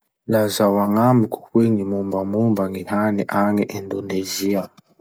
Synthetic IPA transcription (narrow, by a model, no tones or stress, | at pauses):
lazawaŋamiku̥kweŋimumbamumbaŋihaniʔaŋɛʔindonezia